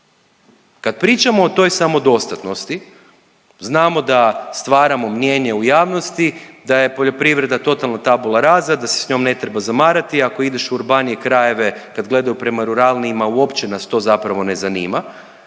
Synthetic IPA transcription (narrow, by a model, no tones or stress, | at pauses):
kad̪̚pɾiːt͡ʃamo̞ːt̪o̞jsamo̞d̪o̞st̪at̪no̞st̪i | znaːmo̞d̪ast̪ʋaːɾamo̞mɲje̞ːɲe̞ujaːʋno̞st̪id̪aje̞po̞ʎo̞pɾiʋɾe̞d̪at̪o̞t̪alˠnat̪abulˠaɾaːzad̪ase̥sɲo̞mne̞t̪ɾebazamaːɾat̪iako̞id̪e̞ʃuuɾbaːnijekɾaje̞ʋe̞kad̪ɡle̞d̪ajupɾe̞maɾuɾalniimauo̞pt͡ʃenast̪o̞ːzapɾaʋo̞ne̞zaniːma